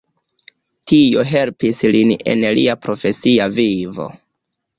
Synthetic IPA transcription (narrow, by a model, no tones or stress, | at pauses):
tio̞ɦe̞lpisline̞̰nliapɾo̞fe̞siavivo̞̰